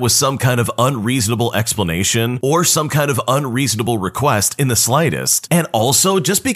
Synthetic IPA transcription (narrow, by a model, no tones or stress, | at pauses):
wʌz̥sʌ̃mkʰãɪ̃ndʌvə̃nɹiznəbl̩ˠɛ̰kspləneɪʃɨ̃nə˞sʌ̃mkʰãɪ̃ndʌvə̃nɹiznəbl̩ˠɹɨkʰw̥ɛstɨ̃nðɨslaɪɾɨ̰stɨ̃nɔlˠsoʊd͡ʒʌsb̥ɨ